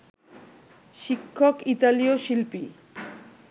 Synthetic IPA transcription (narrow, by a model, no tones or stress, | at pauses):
ʃikʰːokit̪alioʃilpi